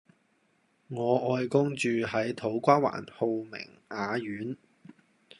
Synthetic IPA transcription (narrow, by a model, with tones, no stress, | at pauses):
ŋɔː˨˧ʔɔː˧jkʊ˥ŋt͡ʃyː˨ɦɐ˨˥jt̪ʰo˨˥wkʷaː˥wa̰ː˨˩nho˨˧wmɪ̰˨˩ŋ | ʔaː˨˧jyː˨˥n